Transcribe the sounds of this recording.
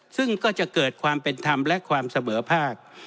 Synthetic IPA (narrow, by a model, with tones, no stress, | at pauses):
sɯ˥˩ŋkɔː˥˩t͡ɕa˨˩ʔkɤː˨˩t̪̚kʰwaː˧mpe˧nt̪ʰa˧mlɛ˦˥kʰwaː˧msa˧mɤː˩˦pʰaː˥˩k̚